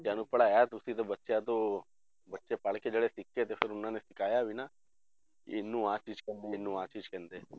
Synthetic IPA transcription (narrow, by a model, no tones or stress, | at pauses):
d͡ʒjaːnũpəɭaat̪ɾusit̪ebətːʃeat̪o | bətːʃepaːɭked͡ʒəɽesɪkːet̪epʰɪɾʊnːãːnesɪkaːjaʋinaː | ḛnːũːaːt͡ʃiːd͡ʒkend̪eːnːũːaːt͡ʃiːd͡ʒkend̪eː